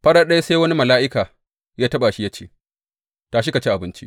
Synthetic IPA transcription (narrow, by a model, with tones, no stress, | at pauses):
ɸɐ˦ɗaː˦ɗɐ˦ja˦sa˦wɐ˦ni˦mɐ˨laː˦ʔɪ˦kaː˨ | jaː˦tɐ˦ɓa˨ʃi˦jɐ˦t͡ʃḛː˦˨ | taː˨ʃ̬i˦ka˨t͡ʃe˦ʔa˨bɪ˦nt͡ʃḭ˦ʔ